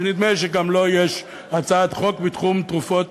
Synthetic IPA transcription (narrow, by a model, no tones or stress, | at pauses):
enid̪meʃeɡamlojeʃ | at͡saad̪χo̞kvit̪χumt̪ʁufo̞t̪